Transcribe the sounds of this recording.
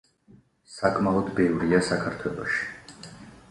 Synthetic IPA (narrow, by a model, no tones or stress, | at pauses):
sakʼmaɔd̪bɛvɾiasakʰaɾt̪ʰwɛlˠɔ̰ʃi̥